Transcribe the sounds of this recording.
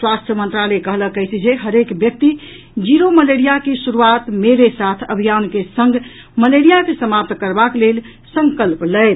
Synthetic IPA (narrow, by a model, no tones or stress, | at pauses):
swast̪ʰjəmənt̪ɾalekəɦləkəjsid͡ʒeɦəɾekbjək̚t̪i | d͡ʒiɾoməleɾijakesuɾuat̪meɾesat̪ʰə̰bʱijankesəŋɡ | məleɾijakesəmap̚t̪kəɾbaklel | səŋkəlplət̪